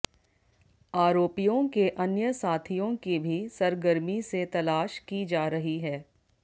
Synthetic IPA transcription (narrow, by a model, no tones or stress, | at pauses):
aːɾoːpijõkeʔɐnjəsaːt̪ʰijõkibʱisɐɾɡəɾmiset̪ɐlaːʃkid͡ʒaːɾɐɦiɦɛː